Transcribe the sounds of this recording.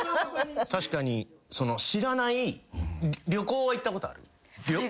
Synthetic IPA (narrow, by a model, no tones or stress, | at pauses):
t̪aɕi̥kaɲ̟iso̞no̞ɕiɾanai | ɾʲo̞ko̞ːβait̪ːako̞t̪o̞a̰ɾɯ̟̰ | ɾʲo